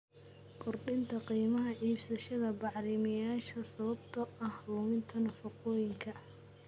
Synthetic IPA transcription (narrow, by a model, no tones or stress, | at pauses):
kʰɔrɖɪnt̪ʰɐqiːmɐɦɐʕiːbsɐʃɐðɐbɑʕlɪmɪjaːʃɐsɐβɐbt̪ʰɐʔɐhruːmɪnt̪ʰɐnɐfɐqɔːjɪŋkʰɐ